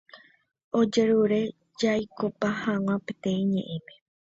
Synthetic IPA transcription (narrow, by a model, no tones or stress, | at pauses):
o̞d͡ʒe̞ɾuɾe̞ | d͡ʒajkopahãw̃ãpe̞t̪ẽ̞ĩɲẽ̞̰ʔẽme